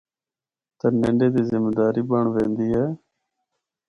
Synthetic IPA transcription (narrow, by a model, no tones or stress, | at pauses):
t̪əːnẽːɳɖeːd̪iːzɪmeːd̪aːɾiːbəɳʋẽːnd̪iːɦɛː